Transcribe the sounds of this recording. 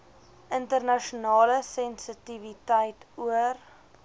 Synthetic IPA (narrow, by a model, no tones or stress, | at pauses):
ʔəntərnɐʃunɑːləsɛnsətivitəjtuər